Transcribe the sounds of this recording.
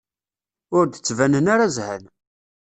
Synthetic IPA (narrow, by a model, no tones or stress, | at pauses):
ʊɾd̪ət͡sːvænənaɾazhæ̰n